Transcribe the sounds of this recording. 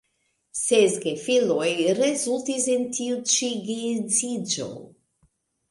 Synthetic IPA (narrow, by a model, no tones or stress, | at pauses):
sezɡefilojɾezultisentʰiut͡ʃiɡezid͡ʒo̞̰